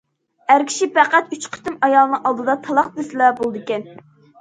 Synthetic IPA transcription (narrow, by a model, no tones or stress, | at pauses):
æɾkʲʰi̥ʃipæqæt̪yt͡ʃqʰt̪ɪmɑjɑlˠɨnɨŋɑlˠd̪ɨd̪ɑt̪ʰɑlˠɑq̚d̪ɪsɪlɛbolˠɨd̪ɨkʲɛn